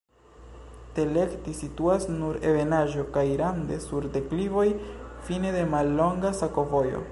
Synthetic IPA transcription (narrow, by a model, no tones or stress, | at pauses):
te̞le̞ktisituasnuɾe̞ve̞naʒo̞kajɾande̞suɾde̞klivo̞jfine̞de̞malːo̞ŋɡasako̞vo̞jo̞̰